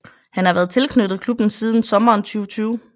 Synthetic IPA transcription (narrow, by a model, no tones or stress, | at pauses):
hænhɑ̈ʋæːɐðˠt͡sʰe̝lkʰnød̥ð̩ˠkʰlub̥n̩siːð̞ˠn̩sɒ̽mɐːnt͡sʰyːʊt͡sʰyːʊ